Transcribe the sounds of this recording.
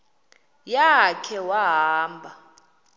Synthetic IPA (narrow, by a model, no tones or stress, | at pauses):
jakʰɛwaɦaːmbʱa